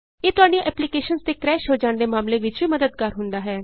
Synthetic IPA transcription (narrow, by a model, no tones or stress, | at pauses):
eːt̪ʊaːɖijãʔɛːplikeːʃənst̪eːkɾɛːʃɦoːd͡ʒãːɳd̪eːmaːmleːʋɪt͡ʃʋiːməd̪əd̪̚kəɾɦʊnd̪aːɦɛː